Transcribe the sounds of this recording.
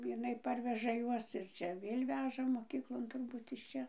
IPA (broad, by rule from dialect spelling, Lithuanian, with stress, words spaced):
jɪˈnɐɪ ˈpɐrʲʋʲɛʒɐ ˈjuɔs ɪr ˈt͡ʃʲɛ ˈʋʲeːlʲ ˈʋʲæːʒɐ moːˈkʲiːklˠoːn tʊrˈbuːt ɪʃ ˈt͡ʃʲɛ